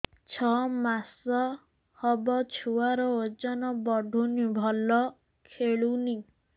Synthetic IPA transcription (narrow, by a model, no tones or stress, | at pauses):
t͡ʃʰɔmasɔ | hɔbɔt͡ʃʰuwaɾɔod͡ʒɔnɔbɔɖʱunibʱɔlɔ | kʰeɭuni